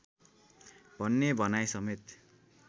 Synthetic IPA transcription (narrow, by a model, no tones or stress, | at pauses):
bʱʌnːebʱʌnajsʌmet̪